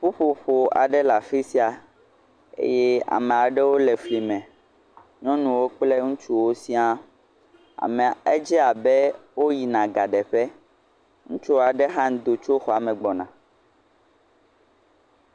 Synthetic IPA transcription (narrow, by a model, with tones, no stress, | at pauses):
ɸu˦ɸo˨ɸo˨a̰˨ɖɛ˦la˨fi˦si˦a˨ | ḛ˦jɛ˦a̰˨mɛ̃˨a˨ɖɛ˦wo˦lɛ˨fli˨mɛ̃˨ | ɲɔ̃˦nũ˨wo˦k͡plɛ˦ŋũ˦t͡ʃu˦wo˦si˦a˦ | a̰˨mɛ̃˨e˦d͡ʒɛ˦a˨bɛ˦wo˦ji˨nã˨ɡa˨ɖɛ˨ɸɛ˦ | ŋũ˦t͡ʃu˦wa˨ɖɛ˦ɦã˦ŋ˦d̪o˨t͡ʃo˦xɔ˨a˨mɛ̃˨ɡ͡bɔ˨nã˨